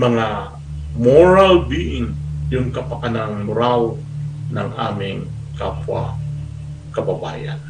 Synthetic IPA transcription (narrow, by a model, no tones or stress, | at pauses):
mɐŋa | moɹalbiʔɪŋjʊŋkɐpakanaŋʊɾawnɐŋʔa̰ːmɪŋ | kapwa̰ | kɐbaba̰ːja̰n